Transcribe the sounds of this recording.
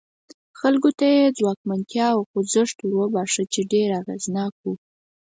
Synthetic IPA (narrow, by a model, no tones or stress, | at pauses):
xalɡot̪ajed͡zwɑkmant̪jɑwxʊzəʂt̪wəbɑʂət͡ʃeɖeɾaɣeznɑkwu